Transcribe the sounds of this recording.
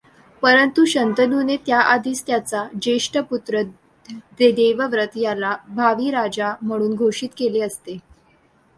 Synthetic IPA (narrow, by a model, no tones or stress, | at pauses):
pəɾənt̪uɕənt̪ənunet̪jaʔad̪ʱiːst̪jat͡sad͡ʑeʂʈəput̪ɾə | d̪ed̪eʋəʋɾət̪jalabʱaʋiːɾad͡ʑam̤əɽ̃uːnɡʱoʂiːt̪keleəst̪e